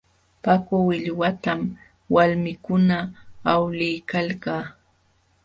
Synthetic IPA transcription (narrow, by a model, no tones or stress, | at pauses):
pakʊwɪʎwat̪am | walmɪkʊnaːwlɪjkalkaː